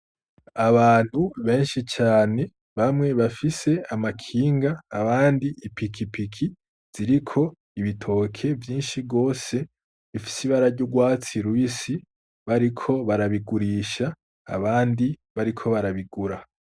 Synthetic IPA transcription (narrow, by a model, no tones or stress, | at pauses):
aβaːn̥huβe̞ːnʃit͡ʃaːne̞ | βamŋe̞βafise̞amakʰiːŋɡaːβaːndiipikʰipikʰi | z̥iɾikʰo̞ | iβitʰo̞ːkʰe̞vjiːnʃiɡo̞ːse̞ | βifi̥siβaɾaɾɟuɡwaːt͡siɾwiːsi | βaɾikʰo̞βaɾaβiɡuɾiʃa̰ː | βaːndiβaɾikʰo̞βaɾaβiɡuɾa